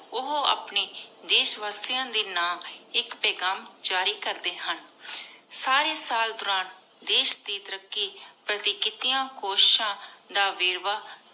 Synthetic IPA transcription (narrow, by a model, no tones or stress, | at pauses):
ʊɦoa̰ːpneːd̪eːʃʋaːst̪ɪjãːd̪iːnaːmɪkpɛːɡaːmd͡ʒaːɾiːkəɾd̪eːhən | saːɾeːsaːld̪ʊɾãːn | d̪eːʃd̪iːt̪əɾəkːiːpɾət̪ikɪt̪ɪjãːkoːʃɪ̥ʃãːd̪aːʋeːɾʋaː